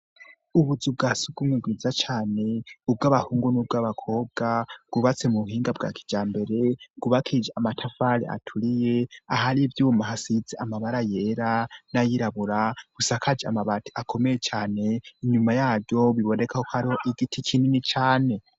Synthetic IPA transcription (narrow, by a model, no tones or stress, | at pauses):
uβuzub̚ɡasubɡumwiɡwizat͡ʃaːne̞ub̚ɡaːβahuːŋɡonub̚ɡaβakʰo̞b̚ɡaɡ̥uβat͡se̞muβuhiːŋɡabɡa̰kʰi̥d͡ʒaːmbe̞ɾe̞ɡ̥uβakʰid͡ʒaamatʰafalḭʔa̰tʰuɾijeaɦaɾivjuːmaɦasid͡zeʔamaβaɾajeɾanajiɾaβuɾaβ̥usakʰad͡ʒea̰maβatʰi̥akʰo̞mejet͡ʃaːne̞iɲumajaːɾjo̞βiβo̞ne̞kʰahokhaɾiho̞ʔiɡitʰikʰininit͡ʃaːne̞